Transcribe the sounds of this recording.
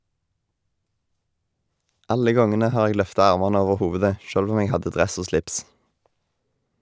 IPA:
ˈɑlə ˈɡɔŋənə ˈhɑːʁ ˈeːɡ ˈlœftɑ ˈɑʁmɑnə ˈoːʋəʁ ˈhoːʋʉdə ˈʃøːlʋ ˈuːm ˈeːɡ ˈhɑdə ˈdʁɛs ˈoː ˈslɪps

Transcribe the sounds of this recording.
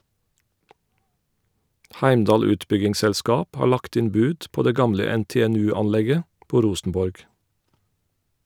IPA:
ˈhæɪmˌdɑːl ˈʉːtˌbʏɡɪŋsɛlˌskɑːp ˈhɑː ˈɭɑkt ˈɪn ˈbʉːd ˈpoː ˈdeː ˈɡɑmlə ˌɛnˌteːɛˈnʉːˌɑnˌlɛɡə ˈpoː ˈɾuːsn̩ˌbɔɹɡ

